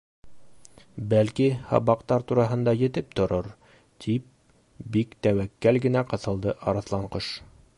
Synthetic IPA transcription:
bælkihɑ̰βɑqt̪ɑɾt̪uɾɑɦɤ̆nd̪ɑjɘ̆t̪ɘp̚t̪ŏɾoɾ | t̪ʰip̚ | bikt̪æwækːælɡɘ̆næqɤ̆θɤ̆lˠd̪ɤʔɑɾɑθlˠɑɴqɤʃ

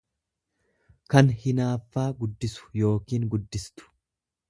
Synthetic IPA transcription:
kɐnhɪnaːfːaːɡʊd̪ːɪsʊ̥jo̞ːkiːŋɡʊd̪ːɪst̪ʊ̥

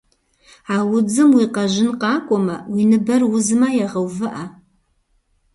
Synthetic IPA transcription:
aːwʊd͡zɨmwiːqɐʒɪnqɑːkʷʼɔmɐwinɨbɐrwʊzɨmɐjaʁɐwvɨʔɐ

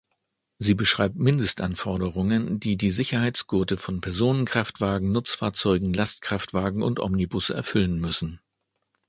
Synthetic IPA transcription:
ziːbəʃʁ̥aɪp̚tmɪndəstʔanfɔɐɾəʁʊŋəndiːdiːzɪçɐhaɪt͡sɡ̥ʊːtəfɔnpʰɛɐzoːnənkʁ̥aftv̥aːɡŋ̩nʊt͡sfaːɐt͡sɔʏɡŋ̩lastkʁ̥aftv̥aːɡŋ̩ʊ̰ntʔɔ̰mnibʊsɛ̰ɐfʏlənmʏsn̩

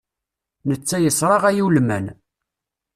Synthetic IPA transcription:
nət͡sːæjəsɾˤɑʁæjiwlmæn

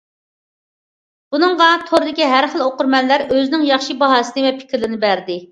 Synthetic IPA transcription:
b̥unɨŋʁɑt̪ʰoɾd̪ɪkʲiɦæɾχəlˠoqʊɾmɛnlːæɾøzɪnɪŋjɑχʃibɑɦɑːsɨnɨvɛpʰɪ̥kʲʰɾlɪnɪbæɾd̪ɪ

